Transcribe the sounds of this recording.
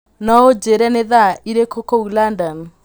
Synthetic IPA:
nɔod͡ʒeɾɛneðaiɾekʰokoulandɔn

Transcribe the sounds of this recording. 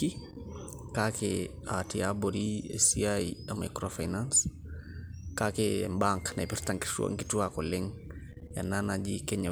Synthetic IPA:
i | kakeatiaboɾiɛ̰siajamajkɾofajnans | kakembaŋknajpiɾtaŋki̥tua̰ŋkituakɔlɛŋ | ja̰nanad͡ʒikɛɲa

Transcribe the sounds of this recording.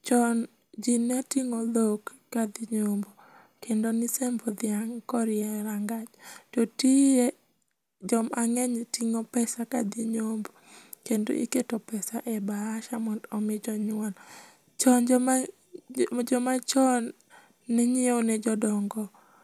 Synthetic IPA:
t͡ʃɔn | d͡ʒinːatiŋolokː | ad̪ɪɲombo | kendonɪsɛmbɔd̪ɪaŋkɔɾɪɛɾaŋɡat͡ʃtɔtie | d͡ʒɔmaŋɛɲtiŋopɛsakad̪ɪɲombokendo̰ʔḭketopɛsaʔɛbaːʃamɔdɔmɪd͡ʒɔɲwan | t͡ʃɔnd͡ʒɔma | d͡ʒɔmat͡ʃɔnː | ɛɲɪoonɛd͡ʒɔdɔŋɡɔ

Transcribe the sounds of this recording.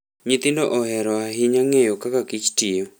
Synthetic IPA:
ɲɪt̪ɪndɔʔɔhɛɾɔaɦɪɲaŋejokakakit͡ʃtɪjo

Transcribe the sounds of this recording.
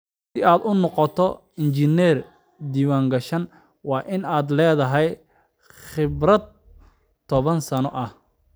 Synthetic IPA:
sɪaːd̪ʊnɔqɔt̪ʰɔ | ɪnt͡ʃɪnɛr | d̪iːwaːŋɡɐʃɐn | wɑːʔɪnaːd̪lɛːðɐɦɛj | χɪbrɐd̪̚ | t̪ʰːɔβɐnsɐnɔʔɐh

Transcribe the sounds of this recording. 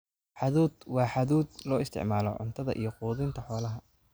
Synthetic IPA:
ħɑðuːd̪wɑːħaðuːd̪lɔːɪst̪ʰɪ̰ʕmaːlɔ̰ʕʊ̰nt̪ʰɐðɐ̰ʔijɞquːðɪnt̪ʰɐħɔːlɐɦɐ

